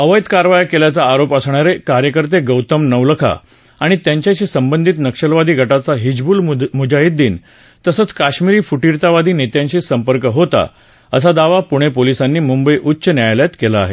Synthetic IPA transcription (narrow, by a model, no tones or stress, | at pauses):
əʋəjt̪kaɾʋajəkeljat͡saːɾopəsɳaɾekaɾjəkəɾt̪eɡəwt̪əmnəʋləkʰa̰ | aɽ̃it̪jaɲt͡ɕjaɕiːsəmbənd̪ʱit̪nəkʂəlʋad̪ʱiːɡʱəʈat͡saɦid͡ʑbuːlmud͡ʑaiːt̪̚d̪iːn | t̪əsəːt͡skaɕmiɾiːfuʈiɾt̪aʋad̪ʱiːnet̪jãɲt͡ɕiːsəmpəɾkəɦot̪a̰ | əs̬ad̪aʋapuɽ̃epolisanːiːmumbəjʔutːɕənjajljat̪kela̰ːɦḛ